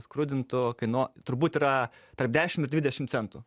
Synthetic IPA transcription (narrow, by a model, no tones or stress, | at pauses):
skɾʊd̪ʲɪnt̪ʊkɐɪnoːt̪ʊɾbuːt̪ʲiːɾɐt̪ɐɾrp̚d̪ʲæːʃʲɪmɪɾdʲʋʲɪdʲɛʃʲɪmt̪sʲɛnt̪ʊː